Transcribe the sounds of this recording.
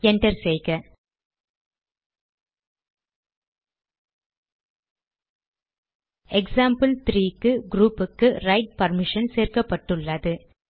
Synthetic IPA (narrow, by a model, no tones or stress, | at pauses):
ɛɳʈɐɾsɛjɣɐ | ɛksaːmpɐlt̪ɾiːkːɯɡɾuːpːɯkːɯɾɐɪʈ̚pɐɾmɪʂɐnseːɾkɐpːɐʈːɯɭːɐðɯ